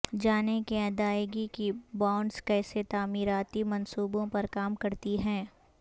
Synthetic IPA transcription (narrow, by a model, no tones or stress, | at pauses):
d͡ʒaːnekeɐd̪aːjɡikibãːʊɳɖskɛːset̪aːmiːɾaːt̪imɐ̃nsuːbõpɐɾkaːmkɐɾt̪iɦɛ̃ː